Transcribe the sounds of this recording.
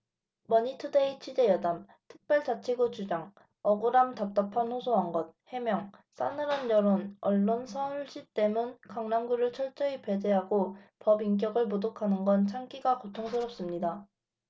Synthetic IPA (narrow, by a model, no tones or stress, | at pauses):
mʌɲitʰɯdeit͡ɕʰɥid͡ʑe̞jʌdam | tʰɯ̥k̚p͈jʌɭt͡ɕat͡ɕʰiɡot͡ɕud͡ʑaŋ | ʌɡoɾamtap̚t͈apʰanɸosʰoaŋɡʌt̚he̞mjʌŋs͈a̰nɯɾanjʌɾonʌɭːonsʰʌuɭɕ͈it͈e̞mɯnkaŋnamɡuɾɯɭt͡ɕʰʌɭt͡ɕ͈ʌipe̞d͡ʑeɦaɡopʌbiŋk̬jʌɡɯɭmodokʰanɯnɡʌnt͡ɕʰaŋk͈iɡakotʰoŋsʰɯɾʌp̚s͈ɯmɲida